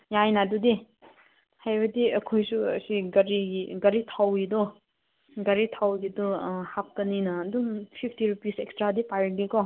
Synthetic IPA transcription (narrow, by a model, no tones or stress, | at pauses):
jajnadudi | hajbɐdiɐ̰kʰojsuɐ̰siɡɐɾiɡɐɾitʰawidɔ | ɡɐɾitʰawɡidɔhap̚kɐninɐːduŋpʰipʰtiɾupisekstɾadipajɡikɔ